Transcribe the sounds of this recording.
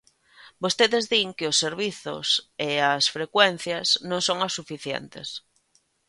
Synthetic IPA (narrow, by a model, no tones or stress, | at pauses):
bost̪eðezðiŋkɪʊsːeɾβiθʊ̰seasfɾekwen̟θjɐznõŋsoŋasːufiθjɛ̰nt̪ḛs